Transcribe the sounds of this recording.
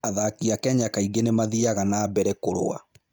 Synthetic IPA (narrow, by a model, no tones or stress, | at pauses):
aðakiakɛɲakaiɡenemaðiaɣanaːbɛɾɛkoɾo̰a̰